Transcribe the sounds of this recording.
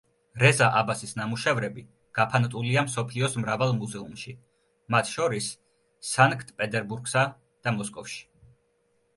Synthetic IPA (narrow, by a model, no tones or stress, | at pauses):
ɾɛzaʔabasisnamuʃɛvɾɛbi | ɡ̥apʰant̪ʼuliamsɔpʰliɔsmɾavalˠmuzɛumʃi | mat̪ʰʃɔɾisː | aŋkʰt̪ʰpʼɛt̪ʼɛɾbuɾɡsa | d̪̥amɔskʼɔfʃi̥